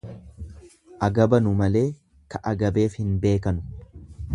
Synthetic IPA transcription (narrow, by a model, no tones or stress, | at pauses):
ʔɐɡɐbɐnʊmɐle̞ː | kɐʔɐɡɐbe̞ːfhɪnbe̞ːkɐnʊ̥